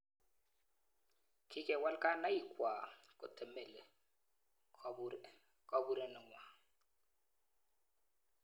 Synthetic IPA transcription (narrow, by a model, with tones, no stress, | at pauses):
kʰɪ˦kʼɛ˨wa˦lkʼa˦na˦i˨kwa˨kʼʊ˨tɛ˨mɛ˨lɛ˨ | kʼa˦bu˦ɾɛ˨nɪ˨ŋwa˨